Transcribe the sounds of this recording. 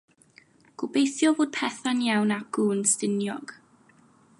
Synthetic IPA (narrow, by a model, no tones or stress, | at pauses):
ɡ̥ʊbejθjɔvoːd̥̚pʰɛθanjawnaɡ̥uːnstɪnjɔɡ̥